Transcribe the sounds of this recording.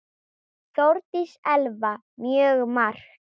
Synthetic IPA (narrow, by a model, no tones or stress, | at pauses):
θowɾt̪isɛlva | mjœːɣmar̥x